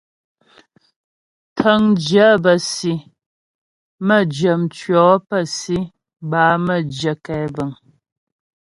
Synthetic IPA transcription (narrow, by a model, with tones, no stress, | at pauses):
tʰə˨˦ŋd͡ʒə˨˦bə˨si˨ | mə˦˨d͡ʒə˨mt͡ʃɥɔ˨˦pə˦˨si˦ | baː˨˦mə˦˨d͡ʒə˨kɛ˨˦bə˨ŋ